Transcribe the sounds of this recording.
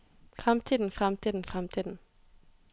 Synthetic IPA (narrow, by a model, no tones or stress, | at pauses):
fʁɛmt̪ʰiːd̪n̩fʁɛmt̪ʰiːd̪n̩fʁɛmt̪ʰiːd̪n̩